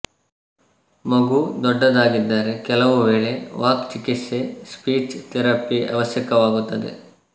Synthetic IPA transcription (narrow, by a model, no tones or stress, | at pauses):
mɐɡud̪ɔɖːɐd̪aːɡid̪ːaːɾekɛlɐʋuʋe̞ːɭe̞ʋaːkt͡ʃikit̪sespiːt͡ʃt̪ɛɾɐpiɐ̰ʋɐsjɐkɐʋaːɡut̪ːɐd̪e̞̰